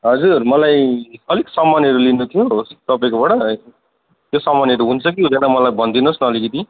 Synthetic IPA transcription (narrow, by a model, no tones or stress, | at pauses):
ɦʌd͡zurmʌlajʌliksʌmːanjʌɾulinut̪ʰijost̪ʌpaĩkobaɽʌ | t̪josʌmʌnjʌɾuɦunt͡sʰʌk̬iɦud̪ʌnʌmʌlajbʱʌnd̪inosnʌːlikit̪i